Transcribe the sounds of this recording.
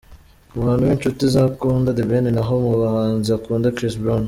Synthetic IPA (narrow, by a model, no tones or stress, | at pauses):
waːnuwent͡ʃut̪izakuːnd̪ad̪ebeninaɦomuβahaːnziakuːnd̪akɾisbɾon